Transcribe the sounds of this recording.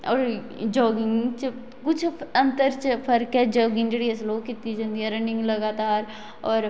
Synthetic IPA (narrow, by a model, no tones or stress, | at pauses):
ɔːɾ | d͡ʒɔːɡɪ̃ŋɡt͡ʃ | kʊt͡ʃʰɐ̃nt̪əɾt͡ʃpʰɐɾked͡ʒɔːɡɪ̃ŋd͡ʒɽiɛsloːɡkit̪id͡ʒɐ̃nd̪iɛɾɐnɪ̃ŋɡlɐɡaːt̪aːɾ | ɔːɾ